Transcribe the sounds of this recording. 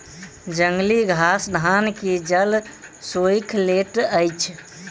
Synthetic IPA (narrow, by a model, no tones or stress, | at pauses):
d͡ʒəŋɡliɡʱasd̪ʱanked͡ʒəlsojkʰleʈəjt͡ʃʰ